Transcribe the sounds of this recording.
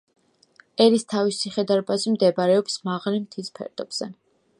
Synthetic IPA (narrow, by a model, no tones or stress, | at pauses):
ɛɾist̪ʰavisiχɛd̪aɾbazimd̪ɛbaɾɛɔbsmaʁlimt̪ʰispʰɛ̰ɾd̪̥ʼɔb̥z̥ɛ